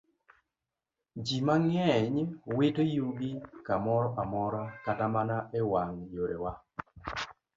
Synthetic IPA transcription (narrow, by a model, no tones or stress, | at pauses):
d͡ʒimaŋɛɲwɪtojuɡikamɔɾɔʔamɔɾɔkatamanaɛwaŋjoɾewa